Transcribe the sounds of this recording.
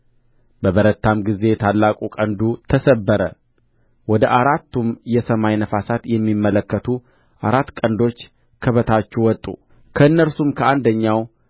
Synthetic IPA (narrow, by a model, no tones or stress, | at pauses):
bəβəɾət̪ʰːamɡize̞t̪ʰalːakʼukʼənd̪ut̪ʰəsəbːəɾə | wɔd̪əʔaɾat̪ːumjɛsəmajnəfasat̪jɛmːimːələkːət̪ʰu | ʔaɾat̪ːkʼənd̪o̞t͡ʃː | kʰəβət̪ʰat͡ʃːɛwɔt̪ʼṵ | kʰəɨnːəɾsumkʰəand̪əɲːaw